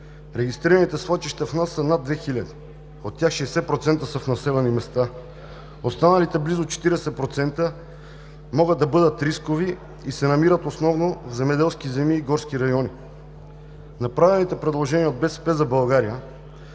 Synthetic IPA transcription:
ɾɛɡist̪ɾiɾənit̪ɛslˠat͡ʃ̪iʃt̪ɐfnasːənad̪vɛxilʲɐd̪i | ot̪ːjaxʃɛːsɛpɾot̪sɛnt̪əsəfnɐsɛlɛnimɛst̪a | ost̪anɐlit̪ɛblizot͡ʃɛ̥t̪iɾɛsɛpɾot̪sɛnt̪ə | mɔɡəd̪ɐbɤd̪ət̪ɾiskovi | isɛnɐmiɾət̪osnɔvnovzɛmɛd̪ɛlˠskizɛmiːɡɔɾskiɾɐjɔni | nɐpɾavɛnit̪ɛpɾɛd̪lˠoʒɛniəod̪̚bɛsɛ̥pɛzɐbɐlˠɡaɾiə

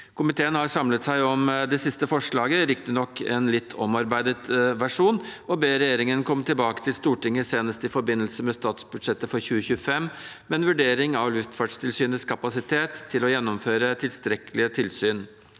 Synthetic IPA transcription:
kʰʊmɪt̪ʰeːənhɑɾsɑmlət̪sæɪɔmd̪ɛsɪst̪əfɔʂɭɑːɡəɾɪkt̪ənɔkʰːɛ̰nlɪt̪ʰːɔmɑɾbæɪd̪ət̪ʋæʂuːnɔbeːɾɛjeːɾɪŋənkʰɔmːt̪ʰɪlbɑːkə̥t̪ʰɪlst̪uːʈɪŋːəseːnəst̪ɪfɔɾbɪnːəlsəmɛst̪ɑːt̪sbʉd̪ʂɛt̪ːəfɔɾçʉːəçʉːəfɛmmɛɛnʋʉɖeːɾɪŋɑʋlʉft̪fɑːɖʂt̪ʰɪlsyːnəskʰɑpɑsɪt̪ʰeːt̪ʰːɪlɔjɛnːɔmføːɾət̪ʰɪlst̪ɾɛkəlɪət̪ʰɪlsyːn

